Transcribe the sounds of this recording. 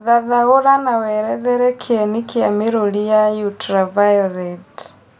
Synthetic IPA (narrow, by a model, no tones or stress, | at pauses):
ðaðaoɾanawɛɾɛðɛɾɛkʰeɛnikiameɾolijajutɾavajɔɾɛt